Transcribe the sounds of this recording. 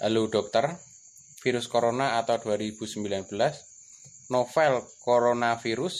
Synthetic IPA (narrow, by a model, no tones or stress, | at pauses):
ʔaluɖ̥ɔ̤k̚t̪ər | fiɾʊskoɾonaat̪awd̥uaɾib̥ṳsəmbilanb̥əlas | nofɛlkoɾonafiɾʊs